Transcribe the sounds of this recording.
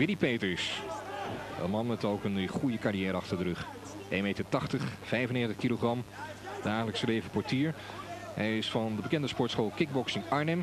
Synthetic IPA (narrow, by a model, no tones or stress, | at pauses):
ʋɪdipejtrɪs | ɛ̰lˠmɑnmɛtowkənχujəkarijɛːɾəɑχtəɹdəɾɵχ | ʔejnmejtəɹtɑχtəχv̥ɛjvəneːχəntəχkiloχrɑm | d̥aːχələksəleːvəpɔɹtiːɹhɛjɪsfɑndəbəkɛndəspɔɹtsχoːlˠkɪɡ̚bɔksɪŋɑɹnɛm